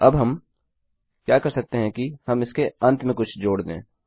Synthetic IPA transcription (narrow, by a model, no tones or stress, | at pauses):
ɐbɦɐm | kjaːkɐɾsɐk̚t̪eɦɛ̃kihɐmɪskeɐ̃nt̪mẽkʊt͡ʃʰd͡ʒoːɽd̪ḛ̃ː